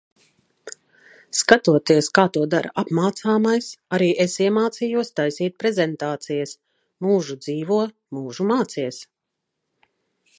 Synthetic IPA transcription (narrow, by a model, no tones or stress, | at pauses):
skat̪uɔt̪iɛskaːt̪uɔd̪aɾa̰ʔapmaːt̪saːmajsaɾiːʔesiɛmaːt̪sijuɔst̪ajsiːt̪̚pɾezɛnt̪aːt̪sijɐs | muːʒud̪ziːvuɔ | muːʒumaːt̪siɛs